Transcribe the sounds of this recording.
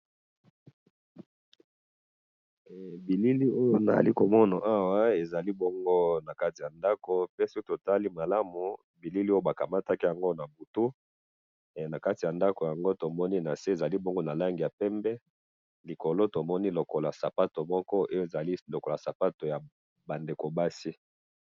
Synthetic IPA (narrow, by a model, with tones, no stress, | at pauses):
bi˨li˦li˦o˦jo˦na˨a̰˨li˦ko˨mɔ˦na˨ʔa˦wa˦e˨za˨li˦bo˦ŋɡo˦na˨ka˦ti˨ja˨nda˦ko˨pe˦si˦ko˦to˨ta˦li˦ma˨la˦mu˨ | bi˨li˦li˦o˦jo˦ba˨ka˨ma˦ta˦ki˦ja˨ŋɡo˦na˨bu˨tu˦˨ | na˨ka˦ti˨ja˨nda˦ko˨ja˨ŋɡo˦to˨mɔ˦ni˦na˨se˦e˨za˨li˦bo˦ŋɡo˦na˨la˦ŋɡi˨ja˨pɛ˦mbɛ˦ | li˨ko˨lo˦to˨mɔ˦ni˦lo˨ko˨la˨sa˨pa˦to˨mɔ˦kɔ˦o˦jo˦˨za˨li˦lo˨ko˨la˨sa˨pa˦to˨ja˨ | ba˨nde˨ko˨ba˦si˦